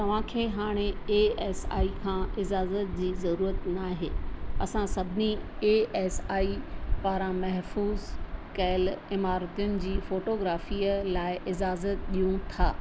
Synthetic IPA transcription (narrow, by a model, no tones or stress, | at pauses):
t̪ɐʋ̤ãkʰeːɦaːɽ̃eeːeːsa̰ːikʰãːɪd͡ʑaːzət̪̚d͡ʑiːzɐɾuːɾət̪naːɦeːɐsãsɐbʱɪnieːeːsaːipaːɾãmɐɦfuːzkɐɪlɪmaːɾt̪ijʊnɪ̆d͡ʑiːfoːʈoːɡɾaːfiːəlaːɪʔɪd͡ʑaːzət̪ɗijũt̪ʰaː